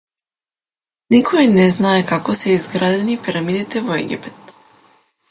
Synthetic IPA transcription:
nikʰɔjnɛznaɛkakɔsɛizɡɾad̪ɛnipiɾamid̪it̪ɛvɔɛ̰ɡʲḭpɛt̪

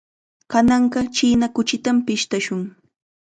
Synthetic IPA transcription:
kanɑɴɢɑt͡ʃiːnakʊt͡ʃɪt̪ampɪʃt̪aʃʊŋ

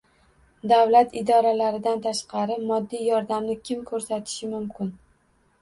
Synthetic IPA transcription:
d̪awlat̪ɪd̪ɒɾalaɾɪd̪ant̪ʰaʃqɑɾɪmɒd̪ːijjɒɾd̪amnɪkʲʰɪmkʰɵɾsat̪ʰɪ̥ʃɪmʊmkʲɪn

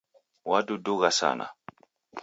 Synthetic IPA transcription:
wadodoɡasa̰na̰

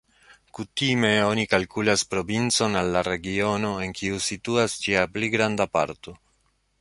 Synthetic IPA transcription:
kutime̞o̞nikalkulaspɾo̞vint͡so̞nalːaɾe̞ɡio̞no̞e̞ŋkʰiusituasd͡ʒiapliɡɾandapa̰ɾto̞

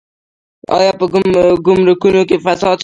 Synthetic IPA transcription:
ɑ̰jɑpəɡʊmɾukunok̬efasɑd̪

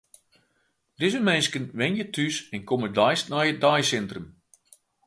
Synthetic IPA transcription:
d̥ɪzəmenskənʋɛnjətʰysɛnkomədɔjstnajət̚dajsɛntrəm

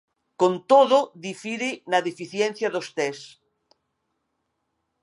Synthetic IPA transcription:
kont̪oðoðifiɾenaðefiθjen̟θjaðost̪es

